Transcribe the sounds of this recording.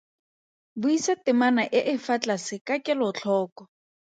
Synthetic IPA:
bʊisatɪmanaʔɪʔɪfat͡ɬʼasɪkakʼɪlɔt͡ɬʰɔːkɔ

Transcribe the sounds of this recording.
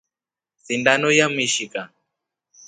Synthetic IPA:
θindanɔjamiʃika

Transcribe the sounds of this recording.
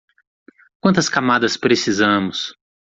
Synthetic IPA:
kw̃nt̪ɐskamad̪ɐspɾesizɐ̃mʊs

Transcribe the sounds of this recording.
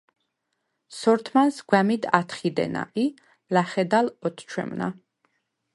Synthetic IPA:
sɔɾt̪ʰmansɡwɛmid̪at̪ʰχid̪ɛ̰na̰ʔi | laχɛd̪alɔt̪ʰt͡ʃʰwɛ̰mna̰

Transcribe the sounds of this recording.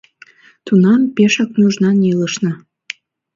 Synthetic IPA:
t̪unɑmpeʃɑknuʒnɑnʲiləʃnɤ̆

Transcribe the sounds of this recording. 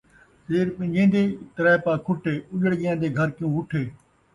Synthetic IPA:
sɪːɾfɪ̃d͡ʒẽːnd̪eːt̪əɾɛːpãːkʰʊʈeːʊʄəɽɠɪjãːnd̪eːɡʱəɾkjũːʊʈʰeː

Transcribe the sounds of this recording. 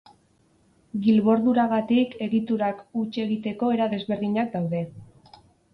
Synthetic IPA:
ɡilβo̞ɾðuɾaɣ̞at̪ike̞ɣit̪uɾakut͡ʃe̞ɣit̪e̞ko̞e̞ɾaðe̞zβe̞ɾðiɲak̚d̪awðe̞

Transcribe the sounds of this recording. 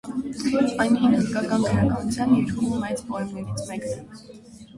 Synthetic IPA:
ɑjnʰinəzkɑkɑnkʰəɾɑkɑnut͡sʰjɑniɾummɛjt͡spɔɛmnɛɾit͡sʰmɛknɛ

